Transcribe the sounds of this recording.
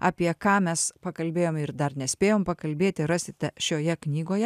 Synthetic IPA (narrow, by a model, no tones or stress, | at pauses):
ɑ̰ːpʲiɛkɑːmʲɛspɐkɐlʲbʲeːjoːmɪɾd̪ɐɾnʲɛsʲpʲeːjoːmpɐkɐlʲbʲeːt̪ʲɪɾɑːsʲɪt̪ʲɛʃʲoːjɛknʲiːɡoːjɛ